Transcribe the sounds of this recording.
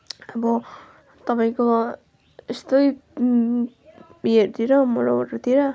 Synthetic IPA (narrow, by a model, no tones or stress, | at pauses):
ʌbʌ | t̪ʌpaĩko | est̪oj | jeɾt̪iɾʌmʌɾobaʈʌt̪iɾʌ